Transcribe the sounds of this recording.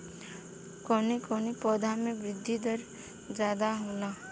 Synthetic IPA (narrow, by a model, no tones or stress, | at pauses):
kɔːnekɔːnipɔːd̪ʱamẽbɾɪd̪ʱːid̪əɾ | d͡ʒaːd̪aɦoːlaː